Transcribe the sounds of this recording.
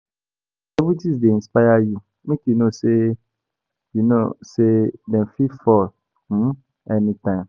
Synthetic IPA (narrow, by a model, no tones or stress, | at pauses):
ɛbutisdeĩnspaaju | mĩkinõse | junõ̰sedɛ̃nfifɔl̩ | ɛnĩtãɪ̃m